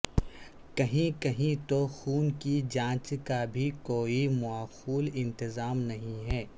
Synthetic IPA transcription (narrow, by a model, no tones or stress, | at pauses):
kɐɦĩkɐɦĩt̪oxuːnkid͡ʒãːt͡ʃkabʱikoːimɔaːxuːlɪ̃nt̪ɪzaːmnɐɦĩɦɛː